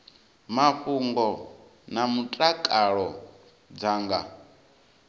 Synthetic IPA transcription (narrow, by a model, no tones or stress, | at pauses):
maɸuŋɡɔ | namutʼakʼaɺɔ | d͡zaŋɡa